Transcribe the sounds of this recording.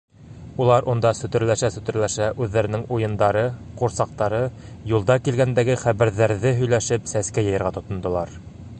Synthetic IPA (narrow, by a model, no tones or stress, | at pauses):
ulˠɑɾʔond̪ɑsɵ̆t̪ɘ̆ɾlæʃæsɵ̆t̪ɘ̆ɾlæʃæʔʉðːæɾɘ̆nɘŋujɤ̆nd̪ɑɾɤquɾsɑq̚t̪ɑɾɤjulˠd̪ɑkilɡænd̪æɡɘχæβæɾðæɾðɘɦɵ̆jlæʃɘpsæskæjɤ̆jɤ̆ɾʁɑt̪ŏt̪ŏnd̪ŏlˠɑɾ